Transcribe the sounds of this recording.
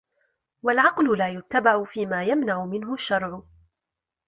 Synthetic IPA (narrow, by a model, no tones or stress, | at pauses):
walʕɑqlʊlaːjʊt̪ːabaʕʊfiːmaːjamnaʕʊmɪnɦʊʃːɑɾˤʕʊ